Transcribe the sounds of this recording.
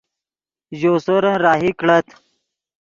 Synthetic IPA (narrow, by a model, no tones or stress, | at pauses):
ʑoːsoɾə̃ɾaːɦikɽət̪